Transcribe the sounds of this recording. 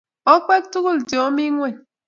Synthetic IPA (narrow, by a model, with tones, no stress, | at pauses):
ɔ˦k͡pɛ˦k̚tu˦ku˦˨ld͡ʒɔ˨˦mi˦ŋwɛ˦˨